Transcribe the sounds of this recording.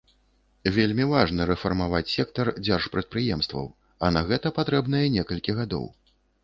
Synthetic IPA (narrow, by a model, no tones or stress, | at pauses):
vʲelʲmʲivaʐnɐɾɛfɐrmavat͡sʲsʲɛk̚t̪ɐrd͡zʲarʂpɾɐt̪̚pɾɨjɛmst̪vɐ̰w | ɐnɐɣɛt̪ɐpat̪ɾɛbn̪ɐjɛnʲɛkɐlʲkʲiɣad̪ɔ̰w